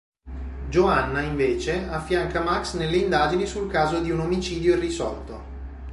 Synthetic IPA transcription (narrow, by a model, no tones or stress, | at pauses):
d͡ʒoanːaiɱveːt͡ʃeafːjaŋkamaksnelːeind̪aːd͡ʒinisulkaːzod̪iunomit͡ʃiːd̪joirːisɔ̰rt̪o